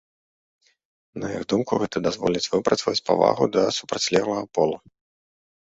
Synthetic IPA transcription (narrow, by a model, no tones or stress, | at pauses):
nɐjiɣd̪umkuɣɛt̪ɐd̪azvɔlʲit͡sʲvɨpɾɐt̪svɐt͡sʲpa̰va̰ɣud̪ɐsupɾat͡sʲlʲɛwlˠɐɣɐpɔlˠu